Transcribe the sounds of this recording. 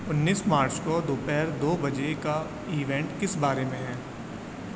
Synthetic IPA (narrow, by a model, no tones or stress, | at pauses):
ʊnːiːsmaːɾt͡ʃkod̪oːpɛːɾd̪oːbɐd͡ʒeka | iːʋɛ̃ːɳʈkɪsbaːɾemẽɦɛː